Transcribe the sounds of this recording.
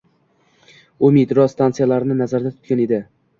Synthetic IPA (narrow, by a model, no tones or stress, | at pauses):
ʊmit̪ɾɒst̪ant̪sɨjalaɾɪnɪnazaɾd̪at̪ʰʊ̥t̪̚kʲane̞d̪ɪ